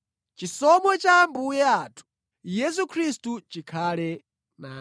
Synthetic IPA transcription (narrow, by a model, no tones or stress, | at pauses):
t͡ʃisɔmwɛt͡ʃambujɛatʰu̥ | jɛs̬ukʰɾistut͡ʃikʰaːlɛ | na